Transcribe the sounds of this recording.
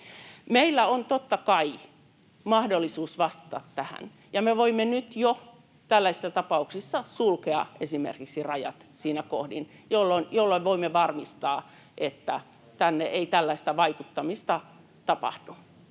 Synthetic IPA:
meilːæont̪ot̪ːɑkɑi | mɑhdolːisuːsʋɑst̪ɑ̥t̪ɑt̪tæhæ̰n | jɑmeʋoimːenyt̪jo | t̪ælːæisi̥sːæt̪ɑpɑuksisːɑsulkeɑ̰ʔesimḛrkiksirɑjɑ̰t̪siːnæko̰hdin | jolːonjolːoiʋoimːeʋɑrmist̪ɑː | ʔet̪ːæ̰ | t̪ænːeʔeit̪ælːæist̪æʋɑikut̪ːɑmist̪ɑ | t̪ɑpɑ̰hd̥u

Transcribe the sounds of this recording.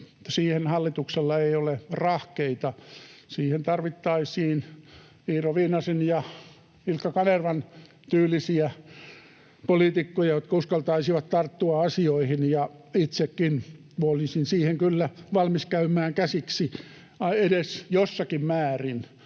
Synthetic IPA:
siːhenhɑlːit̪ukselːɑeiolerɑhkeit̪ɑsiːhent̪ɑrʋit̪ːɑisiːn | iːroʋiːnɑsinjɑ | ilkːɑkɑnerʋɑn | t̪yːlːˑisiæ | polit̪ikːojɑjot̪̚kɑuskɑlt̪ɑisiʋɑt̪t̪ɑrt̪ːuɑɑsioihinjɑit̪sekːin | molisinsiːheŋkylːæʋɑlmiskæymæːŋkæsiksi | ɑedesjosːɑkimmæːrin

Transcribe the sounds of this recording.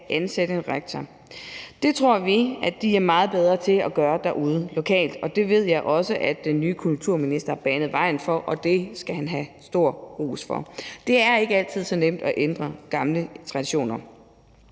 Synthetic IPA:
ʔænsedəenʁeɡ̥̚t͡sʰɐ | d̥e̝t͡sʰʁo̝ɐ̰ʋiæd̥iæɐmɑ̈ːð̞̩ˠb̥eð̞ˠʁɐt͡sʰe̝ɒɡ̥ɶːɐd̥æɐʔuð̞ˠəlo̝kʰɛ̰ːld̥ɒ̽d̥e̝ʋe̝ð̰ˠjɑ̈ɪʔɒ̽səʔæd̥d̥enːyːkʰult͡sʰuɐ̰minisd̥ɐhɑb̥ænð̩ˠʋɑ̈ɪ̰n̩fɒ̽ʔɒ̽d̥e̝sɡ̥æhænɦæsd̥o̝ɐ̰ʁṵːsfɒ̽d̥e̝æɐe̝ɡ̥əæl̰t͡sʰið̞̰ˠsɒ̽nem̰d̥ɒ̽ʔend̥ʁɐɡ̥ɑ̈mlət͡sʰʁɑ̈d̥iɕo̝̰ːnɐ

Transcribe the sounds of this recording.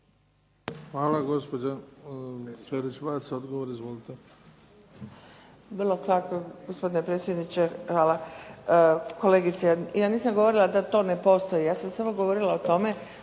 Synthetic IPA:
xʋaːlaɡospod͡ʑa | t͡ʃeɾit͡ʃʋat̪seod̪ɡoʋoɾizʋoːlit̪e | brlˠo̞kakoɡospo̞d̪inepɾet̪sjed̪nit͡ʃexʋaːla | ko̞le̞ɡit̪sejaːniːsamɡoʋo̞ɾilad̪at̪o̞ːne̞po̞ːst̪ojijaːsamsamoɡo̞ʋoɾilaot̪o̞me̞

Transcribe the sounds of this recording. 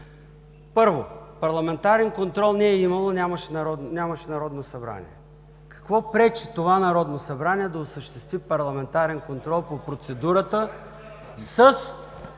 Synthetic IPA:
pɤɾvopɐɾlˠɐmɛnt̪aɾɛnkont̪ɾɔlˠnɛːimɐlˠonʲaməʃɛnɾɔnʲamɐʃɛnɐɾɔd̪nosɐbɾa̰nḭɛ | kɐ̥kvɔpɾɛt͡ʃit̪ovanɐɾɔd̪nosɐbɾaniɛd̪ɐosəʃt̪ɛst̪vipɐɾlˠɐmɛnt̪aɾɛnkont̪ɾɔlˠpopɾot̪sɛd̪uɾət̪ə | səs

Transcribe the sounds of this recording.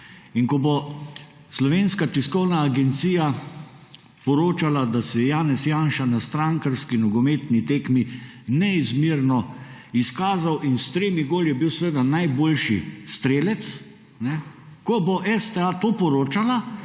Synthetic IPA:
inkɔbo | slɔʋeːnskat̪iskɔwnaːɡɛnt̪siːja | pɔɾoːt͡ʃalad̪asɛɛjaːnɛsjaːnʃanast̪ɾaŋkəɾskinɔɡɔmeːt̪nit̪eːkmi | nɛizmiɾnɔ | iskaːzawʔinst̪ɾeːmiɡoːljɛbiwsʋed̪anajboːlʃḭst̪ɾeːlɛt̪s | nɛ | kɔbɔʔɛst̪ɛat̪opɔɾoːt͡ʃala

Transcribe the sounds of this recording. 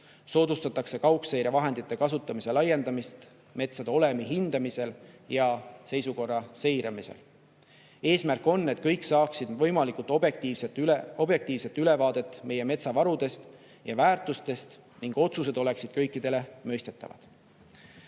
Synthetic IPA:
so̞ːd̪ust̪ɑt̪ːˑɑkse̞kɑuwksejɾjɑvɑɦe̞nd̪̥it̪ːe̞kɑs̬ut̪ːˑɑmise̞lɑjːe̞nd̪̥ɑmist̪ | me̞t̪sɑd̪o̞le̞miɦind̪̥ɑmise̞ljɑse̞jsuko̞rːɑse̞jɾɑmise̞̰l | e̞ːsmærkːˑo̞nːe̞t̪̚kɤjksɑːksid̪̥vɤjmɑlikult̪ːˑok̚t̪iːvset̪ːo̞b̥je̞k̚t̪iːvse̞t̪ːyle̞vɑːd̪̥e̞t̪ːˑme̞je̞me̞t̪sɑvɑɾud̪̥e̞st̪ | jɑvæːrt̪ˑust̪e̞st̪ | niŋɡ̥o̞t̪sus̬e̞d̪̥o̞le̞ksid̪̥̚kɤjkˑːid̪̥e̞le̞møjst̪e̞t̪ːˑɑ̰vɑ̰d̪̥

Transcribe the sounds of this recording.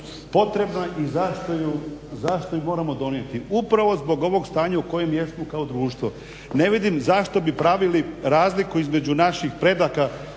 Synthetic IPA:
po̞t̪ɾe̞bnaʔizaʃt̪ojuzaʃt̪ojumo̞ːɾamo̞d̪o̞nie̞t̪iupɾaʋo̞zbo̞ɡo̞ʋo̞ɡst̪aːɲauko̞je̞mjesmokaod̪ɾuːʃt̪ʋo | ne̞ʋid̪imzaʃt̪o̞bipɾaʋiliɾaːzlikuizme̞d͡ʑunaʃixpɾe̞d̪aka

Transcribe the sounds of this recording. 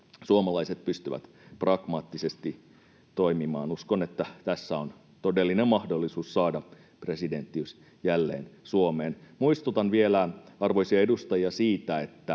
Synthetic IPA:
suomɑlɑiset̪̚pyst̪yʋæ̰t̪ | prɑɡ̥mɑt̪ːisest̪i | t̪o̞imimɑːnuskonet̪ːæt̪æsːæon | t̪odelːinemmɑhdolːisuːssɑːdɑ | pre̞side̞nt̪ːiys | jælːḛːnsuomeːnmuist̪ut̪ɑnʋielæɑrʋoisiɑedust̪ɑjiɑsiːt̪æet̪ːæ

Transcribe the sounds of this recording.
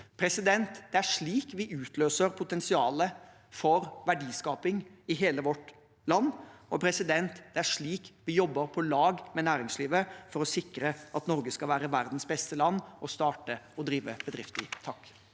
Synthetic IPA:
pʰɾɛsɪd̪ɛnt̪d̪̥ɛæʂɭiːkʋɪʔʉːt̪ʰløːsəɾpʰʊt̪ɛnsɪɑːlə | fɔɾʋæɖiːskɑːpɪŋɪɦeːləʋɔʈː | lɑnːɔpʰɾɛsɪd̪ɛnt̪d̪̥ɛæʂɭiːkʋɪjɔbːəɾpʰɔlɑːɡmɛnæːɾɪŋsliːʋəfɔɾɔsɪkɾəʔɑt̪nɔɾɡəskɑlʋæːɾəʋæɾd̪n̩sbɛst̪əlɑnːʔɔst̪ɑːʈəɔd̪ɾiːʋəb̥əd̪ɾɪft̪ɪ̰t̪ʰɑkː

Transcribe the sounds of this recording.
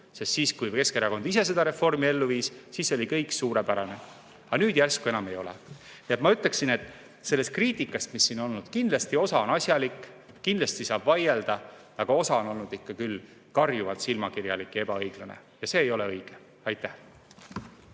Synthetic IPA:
se̞st̪siːskujke̞skeɾɑko̞nd̪̥ise̞se̞d̪ɑɾe̞fo̞rmie̞lːuviːssiːso̞lʲikɤ̞jksuːɾe̞pæɾɑne̞ | ɑnyːd̪̥jærskue̞nɑme̞jo̞lḛ | niet̪mɑyt̪leksine̞t̪ːˑ | se̞lːe̞st̪̚kriːt̪ˑikːˑɑst̪misːiːno̞lnud̪̥kind̪lɑst̪io̞sɑo̞nɑsʲjɑlikːˑ | kind̪lɑst̪isɑːb̥vɑjeld̪̥ɑ | ɑɡ̥ɑo̞sɑo̞no̞lnud̪ikːɑkylː | kɑrjuvɑt̪silmɑkirjɑlikːˑe̞b̥ɑɤjɡ̥lɑnḛjɑse̞ːjo̞le̞ɤjɡ̥e | ɑjt̪ːˑæh

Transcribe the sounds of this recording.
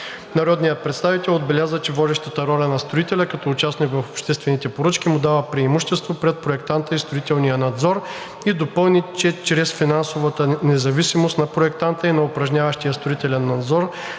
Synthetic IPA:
nɐɾɔd̪nijət̪̚pɾɛt̪st̪avit̪ɛlˠod̪̚bɛlʲazət͡ʃɛvɔd̪ɛʃt̪ət̪əɾɔlʲɐnɐst̪ɾoit̪ɛlʲɐkɐt̪ɔːt͡ʃasnikvɐfopʃt̪ɛst̪vɛnit̪ɛpoɾɤt͡ʃkʲimʊd̪avəpɾiɛmuʃt̪ɛst̪vopɾɛt̪̚pɾoɛkt̪ant̪əist̪ɾʊit̪ɛlˠnijənɐd̪zɔɾ | id̪opɤlˠnit͡ʃɛt͡ʃɾɛsfinansovət̪ənɛzɐvisimost̪nɐpɾoɛkt̪ant̪əinɐʊpɾɐʒnʲavɐʃt̪ijəst̪ɾoit̪ɛlʲɛnːɐd̪zɔɾ

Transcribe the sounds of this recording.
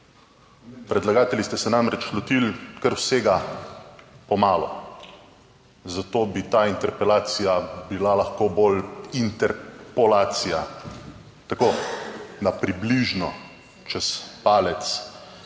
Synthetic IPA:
pɾɛd̪laɡaːt̪ɛlist̪ɛsɛnamɾɛt͡ʃlɔt̪ilkəɾwseːɡa | pɔmaːlɔ̰ | zat̪oːbit̪aːint̪ɛɾpɛlaːt̪sijabilalɐxkoːboːlint̪ɛɾpɔlaːt̪sija | t̪akoːnapɾibliʒnɔ | t͡ʃɛspaːlɛt̪s

